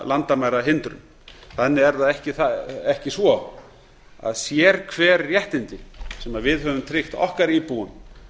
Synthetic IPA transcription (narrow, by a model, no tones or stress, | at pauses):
lant̪amajɾaɦɪnt̪ɾʏ̰m | θanːɪɛɾðaðɛhcɪθaɛhcɪsvɔ | a̰ðsjɛːɾ̥kʰvɛːɾjɛht̪ɪnt̪ɪsɛmaðvɪðɦœvʏmt̪ʰɾɪxt̪ɔ̰hkaɾipuːʏm